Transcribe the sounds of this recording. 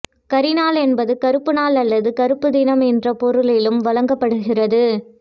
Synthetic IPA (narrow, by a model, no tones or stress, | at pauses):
kɐɾɪnaːlɛnbɐðɯkɐɾɯpːɯnaːlɐlːɐðɯkɐɾɯpːɯd̪ɪnɐmɛndrɐpɔɾɯlɪlɯmʋɐlɐŋɡɐpːɐɽɯɣɪrɐðɯ